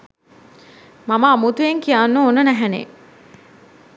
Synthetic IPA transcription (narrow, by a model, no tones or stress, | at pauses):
maməːmut̪ueŋkijanːoonənæɦænḛ